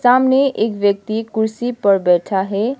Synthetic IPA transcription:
saːmneʔeːkʋjək̚t̪ikʊɾsipəɾbɛːʈʰaɦɛ

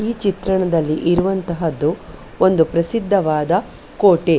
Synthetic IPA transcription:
iːt͡ʃit̪ɾɐɳɐd̪ɐlːiʔiɾuʋɐnt̪ɐɦɐd̪ːu | o̞nd̪upɾɐsid̪ʱːɐʋaːd̪ɐ | koːʈe

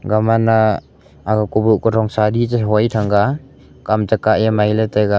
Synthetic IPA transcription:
ɡamanaː | ɡakubuʔkɔtʰɔŋsaditaɦɔjtʰaŋɡa | kamtakaʔjamajleteɡa

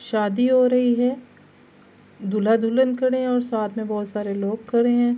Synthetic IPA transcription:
ʃaːd̪iɦoɾɐɦiɦɛː | d̪ʱulad̪ʱuːlənkɐɽeɦɛ̃ɔːɾsaːt̪ʰmẽbɔːt̪saːɾeloːɡ̚kɐɽeɦɛ̃ː

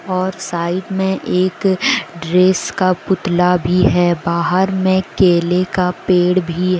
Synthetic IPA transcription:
ɔːɾsaːɪd̪mẽʔeːkɖɾeːskapʊt̪labʱiɦɛːbaːɦəɾmẽkeːlekapeːɽbʱiɦ

